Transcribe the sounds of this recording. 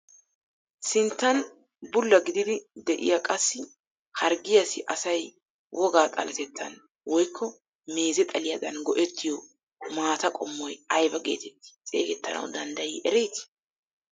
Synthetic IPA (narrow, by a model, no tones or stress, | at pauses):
sɪnt̪ːɐn | bʊlːɐɡɪd̪ɪd̪ɪd̪ɛʔɪ̰jaɐkʼɐsːɪ | hɐɾɡɪjɐsɪʔɐsɐj | wʔɔɡaːt̪ʼɐ̰lɐt̪ɛt̪ːɐ̰n | wɔjkʰːɔ | me̞ːzɛt̪ʼɐlɪjɐd̪ɐnɡɔʔɛt̪ʰːɪjɔ | maːt̪ɐkʼɔmːɔjɐjbɐɡe̞̰ːt̪ɛt̪ːɪ̥t͡sʼḛːɡɛt̪ːɐnɐ̰wd̪ɐnd̪ɐjiːʔɛɾɛjt̪ɪ̥